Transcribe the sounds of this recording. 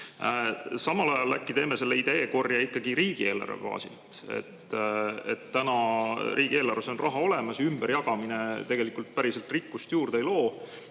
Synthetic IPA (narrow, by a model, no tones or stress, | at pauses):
sɑmɑlɑjɑlːæ̰kːit̪e̞ːme̞se̞lːeid̪e̞ːko̞rjɑikːɑɡ̥iɾiːɡ̥ie̞ːlɑ̰ɾḛv̥ɑ̰ːsḭlt̪ˑ | e̞̰t̪ːḛt̪ːænɑɾiːɡ̥ie̞ːlɑɾeso̞nrʔɑɦɑo̞le̞mɑsjymb̥eɾjɑɡ̥ɑmine̞t̪e̞ɡe̞likult̪̚pæɾiselt̪ˑrikːust̪juːrd̪ejlo̞ː